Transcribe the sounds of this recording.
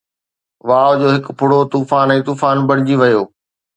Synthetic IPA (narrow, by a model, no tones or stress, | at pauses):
ʋaːʋd͡ʑoːɦɪkpʰʊɽot̪uːfaːnɛ̃ːt̪uːfaːnbɐɽ̤̃ɪd͡ʑiʋɐjoː